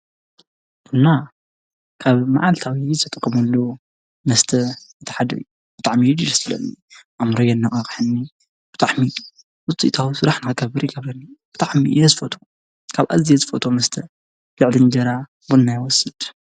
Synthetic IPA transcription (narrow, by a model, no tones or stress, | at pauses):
ʔɨnːa | kʰaβmaʕalt̪ʰawizɨt̪ʰɐt̪ʼɨkʼːɐmɐlːo | mɐst̪ʰɐɨt̪ʰɐ̥ħad̪ɐ̰ju | b̥ɨt̪ʼaʕmid͡ʒilɐsɨlɐ̰nːiʔamɾɐjɐnːaʔʼɐχʼħɨnːi | b̥ɨt̪ʼaʕmi | wʊt͡sʼḭt̪ʰawisɨɾaħnɨkɡɐbɨɾiɡɐβɾɐnːib̥ɨt̪ʼaʕmḭjɛzɨfot̪ʰo | kʰaβʔa̰zijezɨfot̪ʰomɐst̪ʰɐ | lɨʕlind͡ʒɐɾa | bunːajwɔsɨd̪̥